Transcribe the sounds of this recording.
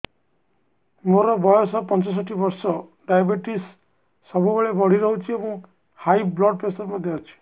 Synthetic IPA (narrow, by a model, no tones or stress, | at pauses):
moɾɔbɔjɔsɔpɔnt͡ʃɔs̬ɔʈʰibɔɾsɔɖajbiʈisː | ɔbubeɭebɔɽ̤iɾɔɦut͡ʃʰiebɔ̃ | hajblɔɖ̚pɾesɔɾmãd̪eɔt͡ʃʰi̥